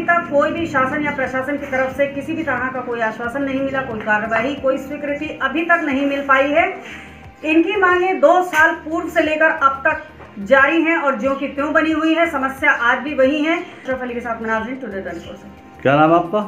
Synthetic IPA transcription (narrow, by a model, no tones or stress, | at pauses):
t̪ɐkːoːibʱiʃaːsənjapɾɐʃaːsənkit̪ɐɾəfsekɪsibʱit̪ɐɦãkakoːiaːʃwaːsənːɐɦĩmɪlakoːikaːɾːəʋaːɦikoːiswɪkɾɪt̪iʔɐbʱit̪ɐknɐɦĩmɪlpaːiɦɛ | ɪnkimãːŋɡẽd̪oːsaːlpuːɾʋseleːkəɾɐb̚t̪ɐk | d͡ʒaːɾiɦɛ̃ɔːɾd͡ʒõkit̪jõːbɐniɦʊiɦɛsɐməsjaʔaːd͡ʒbʱiʋɐɦĩɦɛ̃ | ʃəfʰɐlikesaːt̪ʰmɐnaːɾɾɪ̃nʈud̪eɖɐnko̰se | kjaːnaːmaːp̚ka